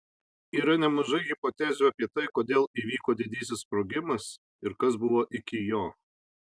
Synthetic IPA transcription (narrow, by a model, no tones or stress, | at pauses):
iːɾɐnʲɛmɐʒɐɪɣʲɪpot̪ʲæːzʲuːɐpʲiɛt̪ɐɪkoːd̪ʲeːlˠiːʋʲiːkoːd̪ʲɪd̪ʲiːs̬ʲɪspɾoːɡʲɪmɐs | ɪɾkɐs̬bʊʋoːʔɪkʲɪjoː